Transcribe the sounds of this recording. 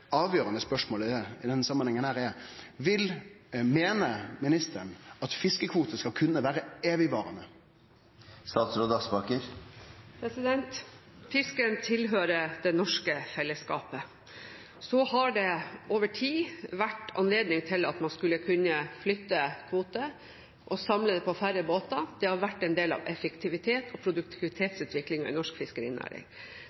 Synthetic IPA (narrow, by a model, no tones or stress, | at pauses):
ɑːʋjøːɾənəspœʂmoːləɛɪd̪ɛnsɑmːənhɛŋənhæːʁɛʋɪlmeːnəmɪnɪst̪ʰəɳɑt̪fɪskəkʰʋuːt̪əskɑlkʰʉnːəʋæːɾəeːʋɪʋɑːʁənə | st̪ɑːt̪sɾoːd̪əɑsbɑːkəɾpʰɾɛsɪd̪ɛnt̪fɪskənt̪ʰɪlɦøːɾəd̪ɛnɔʂkəfɛlːəskɑ̰ːpə | sɔhɑɖɛʔoːʋəʈʰiːʋæʈɑ̰nleːd̪nɪŋt̪ʰɪlɑ̰t̪mɑnskʉlːəkʰʉnːəflʏt̪ːəkʰʋuːt̪ə | ʔɔsɑmləd̪ɛpʰɔfæɾəboːt̪ɑd̪̥ɛhɑɾʋæʈːɛnd̪eːlɑ̰ʋɛfəkt̪ʰɪʋɪt̪ʰeːt̪ʰɔpʰɾʊd̪ʉkt̪ʰɪʋɪt̪ʰeːt̪sʉːt̪ʋɪklɪŋɑʔɪ̰nɔʂkfɪskəɾḭːnʔæ̰ːɾɪ̰ŋ